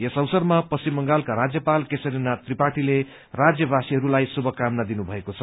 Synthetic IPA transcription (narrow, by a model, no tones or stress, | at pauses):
esʌwsʌrmapʌsimːʌŋɡalkaɾad͡zjʌpalkesʌɾinat̪ripaʈile | rad͡zjʌbasiɦʌɾulajsubʱʌkamnad̪inubʱʌekot͡sʰʌ